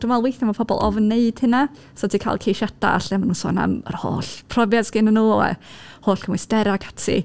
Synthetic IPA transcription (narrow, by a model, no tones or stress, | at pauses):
d̥umalˠwejθamapʰɔbɔ̰lˠɔvneɨd̥hɪna | sɔdʰiːkʰa̰ːlˠkʰejʃata̰a̰ɬɛmanuːnsɔ̰ːna̰mə̰rho̰ːɬpʰrɔvjasɡɪnənːuːɔɛ̰hoːɬkʰəmwisdɛɾakʰḁtʰḭ